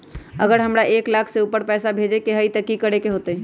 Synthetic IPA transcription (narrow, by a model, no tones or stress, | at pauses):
əɡəɾɦəmɾaʔeklakʰseupəɾpɛsabʱed͡ʒekeɦəit̪əkikəɾekeɦot̪ə